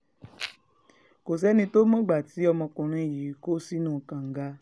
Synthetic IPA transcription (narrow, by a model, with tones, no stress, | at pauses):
ko˨s̬ɛ˨˦nĩ˧to˦mɔ̃˦ɡ͡ba˨ti˨˦ɔ˧mɔ̃˧kũ˨ɾ̃ã˧˦˨ji˨˦ko˦si˦nũː˦˨kã˨ŋ̩˨ɡa˦